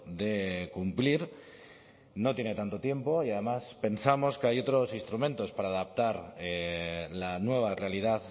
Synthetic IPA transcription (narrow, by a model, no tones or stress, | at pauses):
d̪e̞kumpliɾ | no̞t̪je̞ne̞t̪ant̪o̞t̪je̞mpo̞iað̞e̞maspe̞nsamo̞skeajo̞t̪ɾo̞sinst̪ɾumẽ̞nt̪o̞spaɾaːðap̚t̪aɾelanwe̞β̞arealiðað